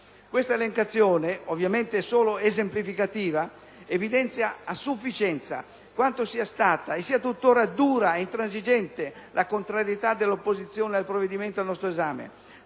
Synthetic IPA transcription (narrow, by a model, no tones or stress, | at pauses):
kwest̪aeleŋkat̪sːjoːneovjament̪eɛsoːloezemplifikat̪iːva | evid̪ɛnt̪sjaːsufːit͡ʃɛnt̪sa̰ | kwant̪osiːast̪aːt̪aesːiːat̪ut̪ːoːɾad̪uːɾaeint̪ɾans̬id͡ʒɛnt̪elʔakont̪ɾaɾjet̪ad̪ːelːopːozit̪sːjoːnealpɾovːed̪iment̪oalnɔst̪ɾoezaːmḛ